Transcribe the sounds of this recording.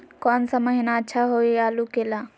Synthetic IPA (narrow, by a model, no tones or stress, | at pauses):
kɔːnsaməɦinaətːʃʰaɦoiaːlukeːlaː